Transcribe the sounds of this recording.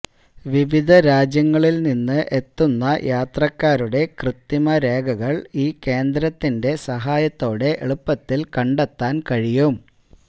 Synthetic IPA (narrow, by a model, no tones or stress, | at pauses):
ʋiʋid̪ʱɐɾaːd͡ʑjɐŋːɐɭilninːɨʔe̞t̪ːunːɐjʔaːt̪rɐkːaːɾuɽe̞krɨt̪ːimɐɾe̞ːɡʱɐɣɐɭiːke̞ːnd̪ɾɐt̪ːinde̞sɐɦaːjɐt̪ːo̞ːɽe̞ʔeɭupːɐt̪ːilkɐɳɖet̪ːaːnkɐɻijum